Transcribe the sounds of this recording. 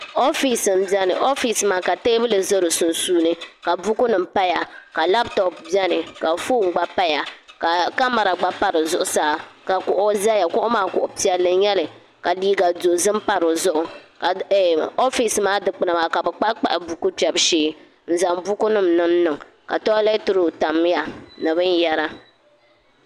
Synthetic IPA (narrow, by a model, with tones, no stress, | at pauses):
o˦fi˨sɨ˨mbi˦ɛ˦nɨ˨ʔo˦fi˨smaː˨˦ka˨te˦bɨ˦lɨ˨zo˦ɾɨ˨su˨nsuː˦nɨ˦ka˨bu˦ku˦nɨ˨m̩˨pa˦ja˨ka˨la˦btɔ˨p̚bi˦ɛ˦nɨ˨ka˨fuː˦˨ŋ̩˨ɡ͡ba˦pa˦ja˨ka˨ka˦ma˨ɾa˨ɡ͡ba˦pa˦ɾɨ˨zʊ˦˨ʔʊ˨saː˦ka˨kʊ˨ʔo˦za˦ja˨kʊ˦ʔʊ˦maː˦kʊ˨ʔʊ˨pi˦a˦lɨ˦ɲɛ˦lɨ˨ | ka˨liː˦ɡa˨do˨zɨ˦mpa˦ɾo˨zʊ˦ʔʊ˨ka˨o˦fi˨smaː˦dɨ˨k͡pɨ˨na˨maː˨ka˨bɛ˨k͡pa˦ʔk͡pa˨ʔɪ˨bu˦ku˦pɛ˨bʃeː˦ | n̩˦˨za˨mbu˦ku˦nɨ˦mnɨ˦m˦nɨ˨ŋ | ka̰˨tɔ˦lɛ˦tʊ˦ɾo˨ta˨mː˦ja˨nɨ˨βɨ˦n˦jɛ˦ɾa˦